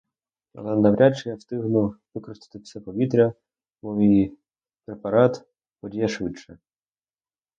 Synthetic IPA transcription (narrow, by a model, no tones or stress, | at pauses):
ɐ̰lˠɛnɐʋɾʲʔat͡ʃɪjast̪ɪɦnʊʋɪkɾɔst̪ɪ̥t̪ɪfsɛpɔʋʲit̪ɾʲɐ | mɔʋʲij | pɾepɐɾɑt̪ | ɔdʲijɐʃʋɪt͡ʃɛ